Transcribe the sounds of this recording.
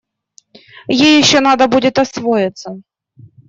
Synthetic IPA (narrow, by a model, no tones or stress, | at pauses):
jejːɪɕːonad̪əbudʲɪt̪ɐsvojɪt̪sə